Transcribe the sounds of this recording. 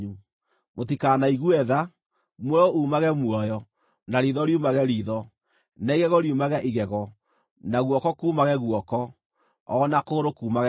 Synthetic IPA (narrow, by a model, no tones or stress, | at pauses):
u | mot̬ikaːnaiɣuɛða | mwɛouːmaɣɛmwɔjɔ | naɾiðɔɾiumaɣɛɾiðɔ | naiɣɛɣɔɾiumaɣɛʔiɣɛɣɔ | naɣwɔkɔkuːmaɣɛɣwɔkɔ | ɔnakoːɾokuːmaɣɛ